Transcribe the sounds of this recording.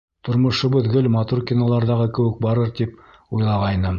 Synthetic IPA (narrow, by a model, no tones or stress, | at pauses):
t̪ʰŏɾmŏʃɤbɵ̆ðɡɵlmɑt̪urkʲinolˠɑɾðɑʁɤkɘ̆wɘk̚bɑɾɤɾt̪ip | ujlˠɑʁɑjnɤ